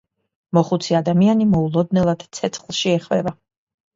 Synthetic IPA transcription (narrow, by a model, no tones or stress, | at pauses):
mɔχut̪sʰiad̪amianimɔulˠɔd̪nɛlˠad̪̥t̪sʰɛt̪sʰχlˠʃiɛχvɛva